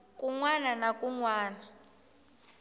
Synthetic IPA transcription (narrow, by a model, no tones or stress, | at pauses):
kʼuŋwananakʼuŋwaːna